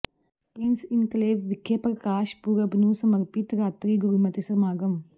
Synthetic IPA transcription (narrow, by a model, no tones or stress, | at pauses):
piːnsint̪leːʋʋikʰjeːpɐɾkaːʃpuːɾɐbnusɐmɐɾpit̪ɾaːt̪ɾiːɡuɾimɐt̪isɾɐmaːɡɐm